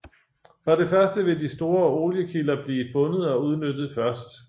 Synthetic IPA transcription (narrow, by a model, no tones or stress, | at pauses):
fʁɒɾ̥e̝fɶɐsd̥əʋe̝disd̥o̝ːɐo̝ːljəkʰilɐb̥liːfɔ̽nəð̞̩ˠɒ̽uð̞ˠnød̥ð̞̩ˠfɶɐsd̥